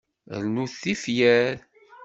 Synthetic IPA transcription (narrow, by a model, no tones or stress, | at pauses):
ɾnuθːifjæɾ